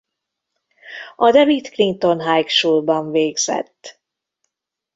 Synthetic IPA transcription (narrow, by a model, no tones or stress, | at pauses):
ɒd̪ɛvit̪klint̪o̞nɦajkʃuːlbɒɱveːɡz̥ɛ̰t̪ː